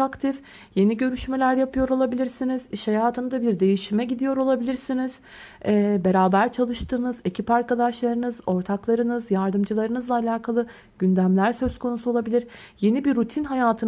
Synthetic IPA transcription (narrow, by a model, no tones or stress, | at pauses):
akt̪ʰif | je̞niɟø̞ɾyʃmelʲæɾjapʰɯjo̞ɾo̞lˠabilʲiɾsiniz̥iʃhajaːt̪ʰɯnɯd̪abiɾd̪e̞jiʃimɛɟid̪ijo̞ɾo̞lˠabilʲiɾsiniz̥ | ɛːbe̞ɾaːbæɾt͡ʃʰalˠɯʃt̪ʰɯːnɯze̞cʰipaɾkad̪aʃlˠaɾɯnɯzo̞ɾt̪ʰaklˠaɾɯnɯzjaɾd̪ɯmd͡ʒɯlˠaɾɯnɯzlˠaːlʲaːkʰalˠɯ | ɟ̥ynd̪æmlʲæɾsø̞zkʰo̞nusuolˠabilʲiɾje̞nibiɾut̪ʰinɦajaːt̪ʰɯn